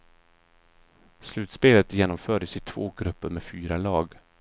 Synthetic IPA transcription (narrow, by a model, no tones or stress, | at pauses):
slʉ̟ːt̪speːlət̪jeːnɔmfœːɖəsɪt̪ʰvoːɡɾɵpːəɾmefyːɾalɑːɡ